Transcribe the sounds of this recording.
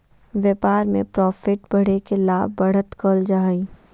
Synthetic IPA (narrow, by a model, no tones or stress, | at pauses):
ʋjəpaːɾmḛ̃pɾɔːfɪʈbɐɽ̤ekelaːbbɐɽ̤ət̪kəld͡ʒaːiː